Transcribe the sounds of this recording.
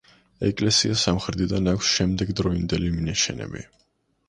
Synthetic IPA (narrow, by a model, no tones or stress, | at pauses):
ɛkʼlɛsiasamχɾd̪id̪anakʷʰsʃɛmd̪ɛɡd̪ɾɔind̪ɛliminaʃɛnɛ̰bḭ